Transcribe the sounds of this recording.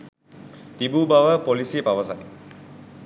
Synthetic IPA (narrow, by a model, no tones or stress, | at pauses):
t̪ibubaʋəpolisipaʋəsa̰t